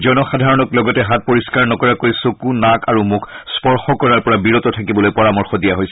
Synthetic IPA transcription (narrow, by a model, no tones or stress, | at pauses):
zɔnɔxadʱaɹɔnɔklɔɡɔtɛɦat̚poɹiskaɹnɔkɔɹakoɹjsokunakaɹumʊkʰspɔɹxɔkɔɹaɹpɔɹabiɹotɔtʰakibɔlojpɔɹamɔɹxɔdijaɦojsɛ